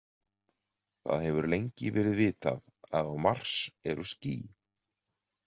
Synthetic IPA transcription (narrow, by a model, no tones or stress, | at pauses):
θa̰ðhɛvʏɾlejɲcɪvɛːɾɪðvɪːt̪a̰ð | aðawmar̥sɛɾʏsciː